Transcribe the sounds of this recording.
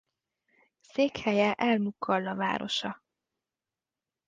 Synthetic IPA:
seːkhɛjɛʔɛlmukʰːɒlːɒva̰ːɾo̞̰ʃɒ

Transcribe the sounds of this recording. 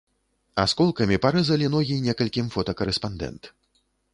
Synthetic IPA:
ɐ̰skɔlˠkɐmʲipaɾɨzɐlʲinɔɣʲinʲɛkɐlʲkʲimfɔt̪ɐkɐɾɛspand̪ɛ̰nt̪

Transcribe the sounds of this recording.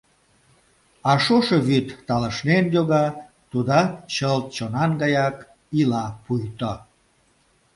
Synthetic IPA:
ɑʃoʃeβyt̪ːɑləʃnenjoɣɑ | t̪ud̪ɑt͡ɕəlt̪̚t͡ɕonɑnɡɑjɑk | ilɑpujt̪o

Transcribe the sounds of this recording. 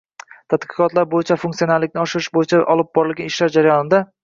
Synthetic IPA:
t̪ʰat̪qɨ̥qɒt̪laɾbojɪt͡ʃʰafuŋksionaɾlːɪk̚ʲnɪɒʃɪɾɪʃbojɪt͡ʃʰaʔɒlˠɪp̚bɒɾɪlɡʲanɪʃlaɾd͡ʒaɾajɒnɪd̪a

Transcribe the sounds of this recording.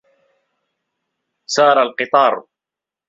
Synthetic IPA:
sɑːɾˤalqɨt̪ˤɑːɾˤ

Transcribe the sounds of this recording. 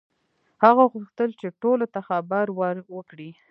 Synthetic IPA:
haɣaɣuxt̪əlt͡ʃeʈolot̪axabaɾwaɾwəkɽi

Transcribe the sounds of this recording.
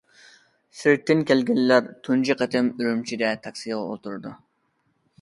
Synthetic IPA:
sɪɾ̚t̪ʰːɪnkʲʰɛlɡʲɛlːæɾt̪ʰund͡ʒiqət̪ʰɪmyɾymt͡ʃʰid̪ɛt̪ʰɑkʲsijʁɑo̰lˠt̪uɾɨd̪u

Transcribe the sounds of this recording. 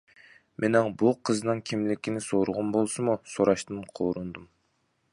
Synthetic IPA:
mʔenɑɴbulˠqʰɯznɑŋkʲʰimlekʲinisoːɾuʁonbolˠsumusoɾɑʃt̪ɯɴqʰoːɾund̪um

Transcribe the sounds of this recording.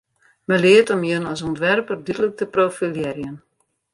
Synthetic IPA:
məlɪətɔmjənɔs̬ɔntʋɛrpərdydələk̚təprofiljɛɾjən

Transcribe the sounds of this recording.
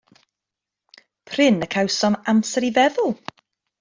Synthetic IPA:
pʰr̥ɪnəkʰawsɔnamsɛɾivɛðʊlˠ

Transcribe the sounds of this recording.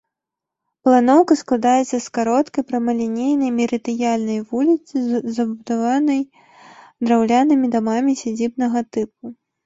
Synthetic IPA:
plˠanɔwkɐsklˠad̪ajɛt̪sɐskaɾɔt̪kɐjpɾɐmɐlʲinʲejnɐjmʲiɾɨt̪ɨjalʲnɐjvulʲit̪sɨzzɐbud̪avanɐj | d̪ɾawlʲanɨmʲid̪amamʲisʲad͡zʲibnɐɣɐt̪ɨp̚u

